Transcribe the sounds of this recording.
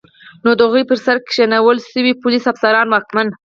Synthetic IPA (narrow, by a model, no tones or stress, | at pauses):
nod̪əɣujpəɾsaɾkʃanawəlʃəwipʊlisafsaɾɑnwɑkman